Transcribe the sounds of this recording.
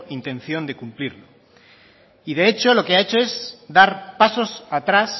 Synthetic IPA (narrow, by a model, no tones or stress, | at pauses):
int̪ẽ̞n̟θjo̞nd̪e̞kumpliɾlo | iðe̞e̞t͡ʃo̞lo̞keae̞t͡ʃo̞e̞zd̪aɾpaso̞sat̪ɾas